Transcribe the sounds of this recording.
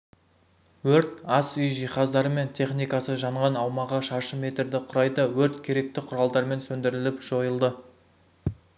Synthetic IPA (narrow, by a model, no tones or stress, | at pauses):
wɵɾt̪ɑsʏjʒijχɑzd̪ɑɾəme̞nt̪ʲʰe̞χnijkɑsəʒɑɴʁɑnɑwmɑʁəʃɑʃəme̞t̪ɾd̪ɪqʰʊɾɑjd̪əwɵɾt̪kʲʰe̞ɾe̞k̚t̪ɪqʰʊɾɑlˠd̪ɑɾme̞nsɵnd̪ɪɾɪlɪpʒ̥o̞jəlˠd̪ə